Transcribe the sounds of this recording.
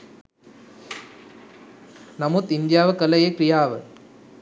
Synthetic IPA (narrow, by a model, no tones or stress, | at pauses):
nɐmut̪ɪnd̪jaːʋɐkɐlɐjekɾɪjaːʋɐ̰